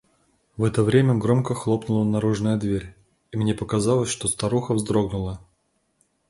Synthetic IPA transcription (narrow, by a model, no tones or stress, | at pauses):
vɛt̪əvɾʲemʲəɡɾo̞mkəxlˠo̞pnʊlˠənɐɾuʐnəjəd̪vʲeɾʲ | imnʲepəkazɑlˠəsʲʂt̪o̞st̪ɐɾuxəvzd̪ɾoɡnʊlˠə